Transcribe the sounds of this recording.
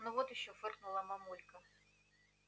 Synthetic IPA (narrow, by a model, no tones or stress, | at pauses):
nɔvɔt̪jɪɕːɔfɨrknʊlˠɐmɐmulʲkɐ